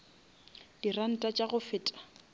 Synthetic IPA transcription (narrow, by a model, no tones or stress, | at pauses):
d̥iran̩tʼat͡ʃʼaɣʊfɪːtʼḁ